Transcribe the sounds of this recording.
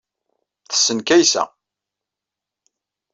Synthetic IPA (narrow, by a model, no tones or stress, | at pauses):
θə̥sːənkæjsæ̰